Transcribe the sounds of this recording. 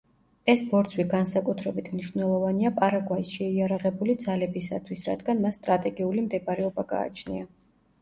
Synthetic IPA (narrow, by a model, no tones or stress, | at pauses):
ɛsbɔɾt̪sʰwiɡansakʼut̪ʰɾɛbit̪ʰmniʃvnɛlˠɔvaniapʼaɾaɡwaisʃɛiaɾaʁɛbulid̪zalɛbisa̰t̪ʰwisɾa̰d̪ɡanmasːt̪ʼɾat̪ʼɛɡiulimd̪ɛbɾɛɔbaɡa̰ːt͡ʃʰnḭa